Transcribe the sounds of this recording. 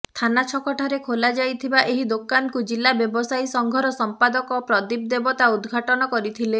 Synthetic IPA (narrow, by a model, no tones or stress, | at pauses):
t̪ʰanat͡ʃʰɔkɔʈʰaɾekʰolad͡ʒajt̪ʰibaʔeɦid̪okankud͡ʒilːabjɔbɔsajsɔŋɡʱɔɾɔsɔmpad̪ɔkɔpɾɔd̪ib̚d̪ebɔt̪aud̪ɡʱaʈɔnɔkɔɾit̪ʰile